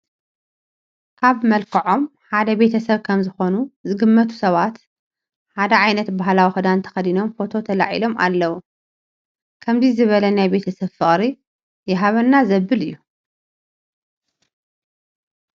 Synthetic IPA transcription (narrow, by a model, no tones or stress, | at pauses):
kʰaβmɐlkʰɐʕo̞mħad̪ɐbe̞t̪ʰɐsɐβkʰɐmzɨxo̞nuzɨɡɨmːɐt̪ʰu̥sɐβat̪ | ħad̪ɐʕajnɐt̪baɦlawixɨd̪ant̪ʰɐ̥xɐd̪ino̞mfo̞t̪ʰo̞t̪ʰɐla̰ʕḭlo̞mʔa̰lːɐwu | kʰɐmzizɨβɐlɐnajbe̞t̪ʰɐsɐβfɨχʼɾi | jɛɦaβɐnːazɐbːɨlɨjːu